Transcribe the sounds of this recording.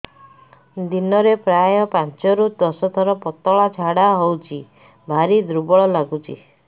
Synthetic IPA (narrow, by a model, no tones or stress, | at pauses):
d̪inɔɾepɾajɔpãnt͡ʃɔɾud̪ɔsɔt̪ʰɔɾɔpɔt̪ɔɭat͡ʃʰaɽaɦowt͡ʃʰi | bʱaɾid̪ɾubɔɭɔlaɡut͡ʃʰḭ